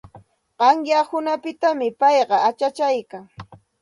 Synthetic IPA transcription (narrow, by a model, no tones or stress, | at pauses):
ɢɑŋjahʊnapɪt̪amɪpɑjɢɑat͡ʃat͡ʃajkaŋ